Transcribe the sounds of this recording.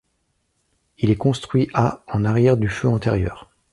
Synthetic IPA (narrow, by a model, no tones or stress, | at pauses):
ilɛkɔ̃st̪χɥiʔaɑ̃naʁjɛʁd̪yføɑ̃t̪ɛʁjœ̰ːʁ